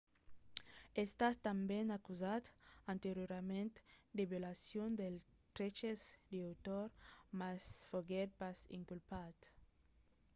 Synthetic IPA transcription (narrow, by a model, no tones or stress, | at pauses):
est̪ast̪ãmbenakuzat̪ãnt̪eɾjoɾamẽnt̪d̪eβelasjond̪el | t̪ɾet͡ʃezd̪iawt̪oɾmasfoɡɛt̪̚pasḭ̃ŋkulpat̪